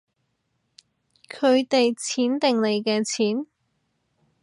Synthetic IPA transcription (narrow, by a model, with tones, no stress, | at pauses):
kʰɵ˨˧ɥt̪e˨jt͡sʰiː˨˥nt̪ɪ˨ŋle˨˧jkɛː˧t͡sʰiː˨˥n